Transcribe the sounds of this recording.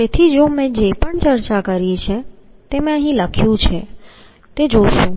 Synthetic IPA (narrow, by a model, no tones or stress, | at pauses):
t̪et̪ʰid͡ʒomẽd͡ʒepəɳt͡ʃəɾt͡ʃakəɾjet͡ʃʰet̪emẽəɦĩləkʰjũt͡ʃʰe | t̪ed͡ʒoʃũ